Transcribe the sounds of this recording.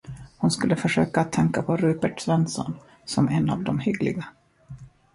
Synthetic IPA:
hʊnskɵlːəfœʂøːkaːt̪ʰːɛŋkapʰɔɾʉːpəʈsvɛnsɔ̰n | sɔmɛnːa̰vd̪ɔmhʏɡlɪ̰ɡa

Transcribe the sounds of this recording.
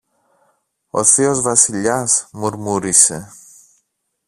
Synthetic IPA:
o̞̰θio̞zvɐsiʎɐsmuɾmuɾise̞

